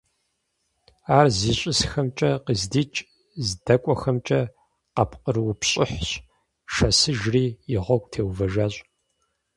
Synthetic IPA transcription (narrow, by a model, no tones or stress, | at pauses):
aːrziːɕʼɪsxɐmt͡ʃʼɐqəzdiːt͡ʃʼ | zdɐkʷʼɔxɐmt͡ʃʼɐ | qɐpʰqʼərwʊpɕʼɪħɕ | ʃɐsɨʒriːjɪʁʷɔkʷʼtʰeːwvɐʒaɕʼ